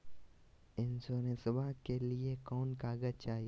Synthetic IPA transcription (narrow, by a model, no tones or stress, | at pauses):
ɪnsoːnesɐbʱakeliekɔːnkaːɡət͡ʃaːɦi